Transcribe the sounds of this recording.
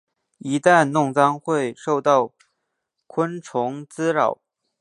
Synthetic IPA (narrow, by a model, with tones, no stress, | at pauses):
i˧˥t̪a˥˧nnʊ˥˩ŋt͡sɑ˥ŋxwe˥˧ɪʂo˥˧ʊt̪ɑ˥˩ʊ | kʰwə˥nʈ͡ʂʰʊ˧˥ŋt͡sɹ̩˥ɻɑ˨˩˦ʊ